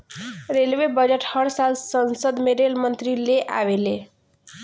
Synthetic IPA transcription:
ɾelʋebəd͡ʑeʈhəɽsazsənsəd̪meɾelmənt̪ɾileʔa̰ʋele

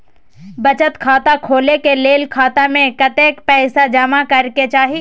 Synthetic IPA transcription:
bɐt͡ʃət̪kʰaːt̪akʰoːlekeleːlkʰaːt̪amẽkɐt̪eːkpɛːsad͡ʒɐmakɐɾket͡ʃaːɦi

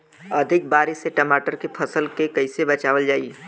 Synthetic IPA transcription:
ɐd̪ʱɪk̚baːɾɪʃseʈɐmaːʈəɾkepʰɐsəlkekɐɪsebɐt͡ʃaːʋəld͡ʒaːi

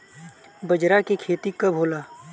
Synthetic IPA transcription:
bɐd͡ʒɾakekʰeːt̪ikɐbʱoːlaː

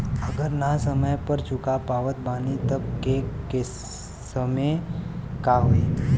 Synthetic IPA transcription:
əɡəɾnasəməjpəɾt͡ʃʊkapaːʋət̪̚baːnit̪əb̚keke | səmekaɦoe

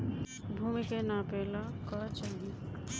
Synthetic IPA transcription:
bʱumikenapeːlakɔt͡ʃaːɦĩ

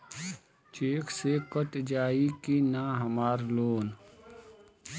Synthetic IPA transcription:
t͡ʃeːkʰsekət̪d͡ʒaːikinaːɦəmaːɾloːn

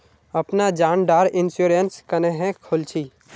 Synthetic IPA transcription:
əpnad͡ʒãːnɖaːɾɪnsjuːɾənskəneɦẽkʰʊlt͡ʃʰiː

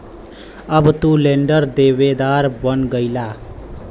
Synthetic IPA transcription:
ʌbʌt̪uleɳɖʌrd̪eβed̪aɾbʌnɡʌjla

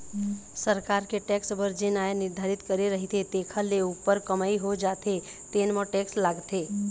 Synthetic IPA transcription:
səɾkaɾkeʈɛksbəɾd͡ʒenajanɪɾd̪ʱaɾit̪kəɾiɾəɦit̪ʰet̪ekʰəleupːəɾkəmaiɦod͡ʒat̪ʰe | t̪enmə̃ʈekslaɡt̪e

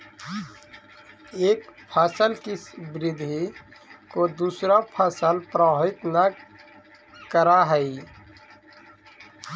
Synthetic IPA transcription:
eːkpʰaːsəlkisbɾɪd̪ʱikod̪uːsɾapʰaːsəlpɾəɦɪt̪na | kəɾaɦəi

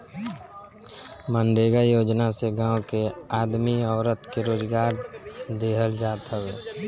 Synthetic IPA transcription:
mə̃nɖeːɡajoːd͡ʒnaseɡãːwkeaːd̪miɔːɾət̪keɾoːd͡ʒɡaːɾd̪eːɦəld͡ʒaːt̪ɦəʋeː

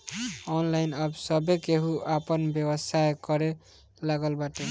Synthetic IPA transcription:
ɔnlajnʌbsʌbekeɦuʔapənbjebəsajkʌɾe | laɡəlbaʈe

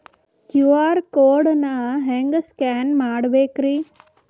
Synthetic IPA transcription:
kjuaːɾkoːɽnaɦẽŋɡskɛːnmaːɽbeːkɾi

